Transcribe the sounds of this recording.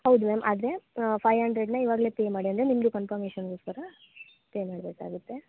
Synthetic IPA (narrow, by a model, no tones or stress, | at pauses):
hɐwd̪umeːmʔaːd̪ɾe̞pʰɐjɐɳɖɾeɖnɐiʋaːɡɐle̞ːpeːmaːɽiɐnd̪ɾe̞nimɡukɐmpɐɾmeːʃɐnɡo̞ːskɐɾɐ | peːjmaːɽbeːka̰ːɡut̪ːe̞